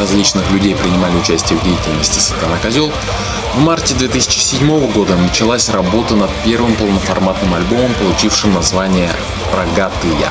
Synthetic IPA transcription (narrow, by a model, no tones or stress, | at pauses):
rɐzʲlʲit͡ɕnɨxlʲʉdʲejpɾʲɪnʲɪmalʲɪʊt͡ɕæsʲtʲɪjəvdʲejɪtʲɪlʲnəsʲtʲɪ̥sʲɪt̪anakɐzʲolˠ | vmartʲɪd̪vʲe̞t̪ɨsʲɪ̥t͡ɕɪ̥sʲɪdʲmo̞vəɡo̞d̪ənət͡ɕɪlˠasʲrɐbo̞t̪ənɐt̪̚pʲe̞rvɨmpəlˠnəfɐrmat̪nɨmɐlʲbo̞məmpəlˠʊt͡ɕifʂɨmnɐzvanʲɪjə | rɐɡat̪ɨjə̰